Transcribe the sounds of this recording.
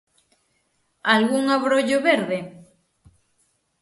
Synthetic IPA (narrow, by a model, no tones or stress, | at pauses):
alɣuŋaβɾoʎoβeɾðe